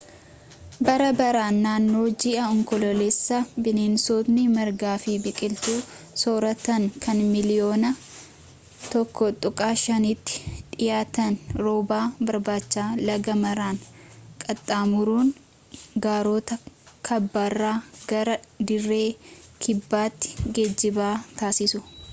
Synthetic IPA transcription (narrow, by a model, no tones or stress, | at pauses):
bɐɾɐbɐɾaːnːaːnːo̞ːd͡ʒɪʔɐɔŋkɔlɔlesːɐbɪneːnsoːt̪nɪmɐɾɡaːfɪbɪkʼɪlt̪uːsoːɾɐt̪ɐŋkʰɐnmɪlɪjo̞ːnɐ | t̪ɔkːɔt̪ʼʊkʼaːʃɐniːt̪ːɪ̥ᶑɪjaːt̪ɐnɾoːbaːbɐɾbaːt͡ʃːaːlɐɡɐmɐɾaːŋkʼɐt̪ʼːaːmʊɾuːn | ɡaːɾoːt̪ɐkʰɐbːaːrːaːɡ̥ɐɾɐd̪ɪrːe̞ːkʰɪbːaːt̪ːɪ̥ɡed͡ʒːɪbaːt̪aːsɪsʊ